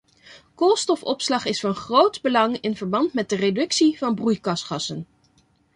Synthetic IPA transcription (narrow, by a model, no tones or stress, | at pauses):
kolˠstɔfɔ̰pslɑχɪsfɑnχrowtbəlɑŋɪnvəɹbɑntmɛt̚dəredɵksivɑnbrujkɑsχɑsən